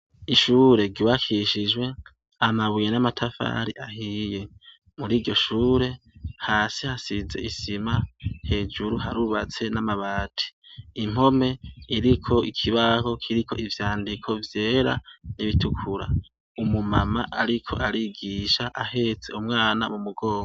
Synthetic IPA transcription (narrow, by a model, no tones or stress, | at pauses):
iʃuːɾe̞ɡiwakʰiʃid͡ʒwe̞ | amaβujenamatʰafa̰ɾiʔahije̞ | muɾiːɟo̞ʃuːɾe̞ | haːsihasize̞̰ʔisimahe̞d͡ʒuɾuɦaɾuːβat͡se̞namaβaːtʰi̥ːm̥ho̞me̞iɾikʰo̞ikʰiβaho̞kʰiɾikʰo̞̰ʔivjaːndikʰo̞vje̞ːɾa̰niβitukʰuɾa̰ | umumamaʔaɾikʰo̞̰ʔaɾiɡiːʃaʔahe̞ːt͡se̞̰umŋaːnamumuɡo̞ːŋɡo